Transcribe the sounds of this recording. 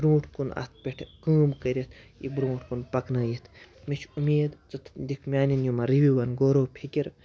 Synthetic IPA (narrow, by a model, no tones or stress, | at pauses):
bɾũːʈʰkunɐ̰st̪̚ʰpʲeʈʰkəːmkɐɾʲit̪ʰḭbɾũːʈʰkunpɐknaːjit̪ʰ | mit͡ʃʰumʲeːd̪t͡sɐt̪ʰd̪ikʰmʲaːninjumɐɾiʋiʋɐnɡoːɾoːpʰikʲiɾ